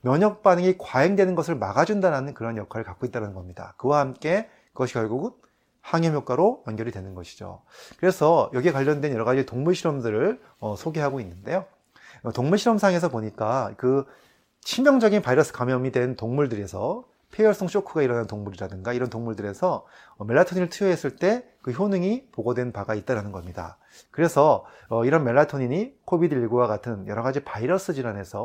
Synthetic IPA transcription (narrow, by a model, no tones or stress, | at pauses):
mjʌɲʌk̚p͈adɯŋikwaeŋdwe̞nɯnɡʌsʰɯɭmaɡad͡ʑundaɾanɯnkɯɾʌnjʌkʰaɾɯɭkak͈oit͈̚aɾanɯnɡʌmɲida̰kɯwahamk͈e̞ | kɯɡʌɕʰikjʌɭɡuɡɯn | haŋjʌmjʌk͈ʰaɾojʌnɡjʌɾidwe̞nɯnɡʌɕʰi̥d͡ʑo̰kɯɾe̞sʰʌjʌɡiekwaʎːʌndwe̞njʌɾʌɣad͡ʑitoŋmuɭɕʰiɾʌmdɯɾɯɭ | ʌsʰoɡe̞ɦaɡoinːɯnde̞jo | ʌtoŋmuɭɕʰiɾʌmsʰaŋe̞s̬ʰʌboɲik͈akɯ | t͡ɕʰimjʌŋd͡ʑʌɡinpaiɾʌs͈ʰɯ̥kamjʌmidwe̞ntoŋmuɭdɯɾe̞sʰʌ̰ | pʰejʌɭs͈oŋɕ͈ʰokʰuɡaiɾʌnantoŋmuɾiɾadɯŋɡaiɾʌntoŋmuɭdɯɾe̞sʰʌ | me̞ɭːatʰoɲinɯɭtʰujʌɦe̞s͈ɯɭt͈e̞ | kɯçjonɯŋipoɡʌdwe̞npaɡait̚t͈aɾanɯnɡʌmɲida̰ | kɯɾe̞sʰʌː | iɾʌnme̞ɭːatʰoɲiɲikʰobidɯiiɡowaɡatʰɯnjʌɾʌɡad͡ʑipaiɾʌs͈ɯd͡ʑiɾane̞sʰʌ